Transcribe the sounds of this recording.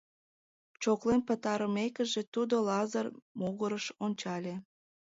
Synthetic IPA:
t͡ɕoklenpət̪ɑɾəmekəʒet̪ud̪olɑzərmoɣəɾəʃonʲt͡ɕɑlʲe

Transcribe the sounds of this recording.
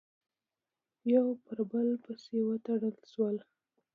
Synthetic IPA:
jawpəɾbəlpəsewət̪aɽəlʃwəl

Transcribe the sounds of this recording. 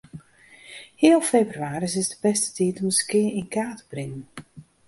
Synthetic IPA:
hiəlˠfeːbryaːɾisɪsdəbɛstə̥titɔməskɪəinkaːtə̥b̥rɪŋən

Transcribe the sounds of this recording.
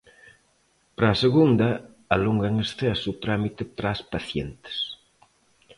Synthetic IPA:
pɾaːseɣund̪ɐ | aluŋɡaŋesθɛsut̪ɾamit̪epɾaspaθjɛnt̪ɪ̥s

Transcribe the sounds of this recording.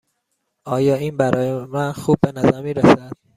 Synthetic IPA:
ʔɒːjɒːiːnbæɾɒːjemænxuːb̚ːe̞næzæɾmiːɾæsæd̪̥

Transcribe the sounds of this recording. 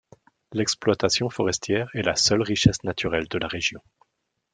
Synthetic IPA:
lɛksplwat̪asjɔ̃fɔʁɛst̪jɛʁɛlasœlʁiʃɛsnat̪yʁɛld̪əlaʁeʒjɔ̃

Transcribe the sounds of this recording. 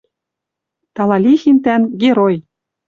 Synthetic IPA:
t̪ɑlɑlʲixint̪ænɡeɾoj

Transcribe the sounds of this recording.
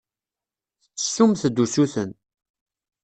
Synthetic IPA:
θt͡sːə̥sːumθəd̪ːusuθən

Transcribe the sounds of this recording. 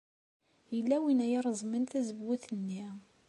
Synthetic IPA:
jəlːæwinæjɑɾˤzˤmənθæzəbːuθənːi

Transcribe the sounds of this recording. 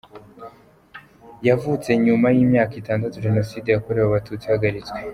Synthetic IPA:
javut͡se̞ɲumajiːmɲaːkitaːndatuʒe̞no̞siːdejako̞ɾe̞waβatʰut͡sihaɡaɾit͡swe

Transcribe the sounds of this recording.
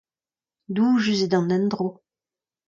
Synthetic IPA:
d̪uʒyzed̪ɑ̃nɛnd̪ʁo

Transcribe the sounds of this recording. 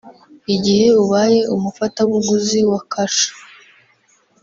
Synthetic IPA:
iɟihe̞uβaje̞umufataβuɡuziwakʰaʃḁ

